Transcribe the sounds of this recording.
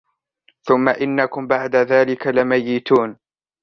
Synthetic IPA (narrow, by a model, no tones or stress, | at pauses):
θʊmːaʔɪnːakʊmbaʕd̪aðaːlɪkalɪmajːɪt̪uːn